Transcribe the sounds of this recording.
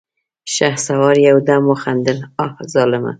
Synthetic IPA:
ʃahsawɑɾjawd̪amʊxand̪ɪlɑfzɑlɪma̰

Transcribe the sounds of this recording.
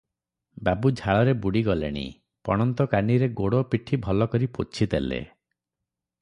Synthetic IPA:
babud͡ʒʱaɭɔɾebuɽiɡɔlḛɽ̃ḭ | pɔ̰ɽ̃ɔnt̪ɔkaniɾeɡoɽopiʈʰibʱɔlɔkɔɾipot͡ʃʰid̪elḛ

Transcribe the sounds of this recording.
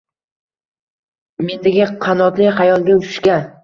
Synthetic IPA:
me̞nd̪ɪɡʲɪqʰɑnɒt̪lɪχajɒlˠɡ̪ʲaʊʃɪ̥ʃkʲa

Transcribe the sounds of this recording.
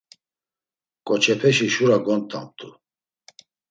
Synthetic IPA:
kʼɔt͡ʃʰɛpʰɛʃiʃuɾaɡɔnt̪ʰʼa̰m̚t̪ʼu

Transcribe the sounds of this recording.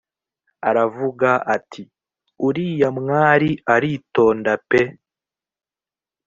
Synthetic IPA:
aɾavuɡaʔatʰi | uɾiːjamŋaːɾiʔaɾiːto̞ːndape

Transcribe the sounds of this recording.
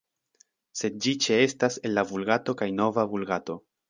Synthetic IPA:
se̞d̪̚d͡ʒit͡ʃe̞e̞stase̞lːavulɡato̞kajno̞vavulɡato̞

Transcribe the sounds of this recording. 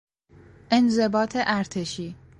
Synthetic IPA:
ʔe̞nze̞bɒːt̪ʰeʔæɾt̪ʰeʃiː

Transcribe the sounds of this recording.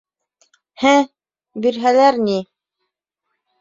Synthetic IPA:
hæ | biɾɦælæɾni

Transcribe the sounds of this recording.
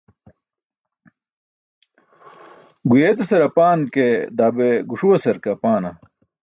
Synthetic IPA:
ɡujet͡seseɾɐpaːnked̪aːbeɡuʂuɐsɐɾkɐpaːnɐ

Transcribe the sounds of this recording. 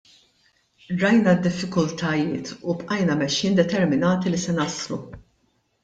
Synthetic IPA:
ɾɐjnɐd̪ːɪfːɪkʊlt̪ʰɐjɪːt̪upʼʔɐjnɐmɛʃːɪːnd̪ɛt̪ɛɾmɪnɐːt̪ilisɛnɐslṵ

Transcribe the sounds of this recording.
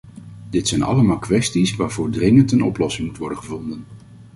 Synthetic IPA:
d̥ɪtsɛjnɑ̰ləmaːlˠkʋɛstisʋaːɹv̥ʊːɹdrɪŋəntənɔplɔsɪŋmutʋɔɹdəχəvɔndən

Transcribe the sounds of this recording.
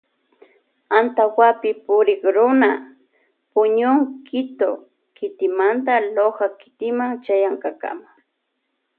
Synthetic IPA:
ant̪awapɪpʊɾɪkɾʊna | pʊɲʊŋkʰɪt̪o | kɪt̪ɪmant̪aloɢakɪ̥t̪ɪmaŋt͡ʃajaŋkaka̰ma

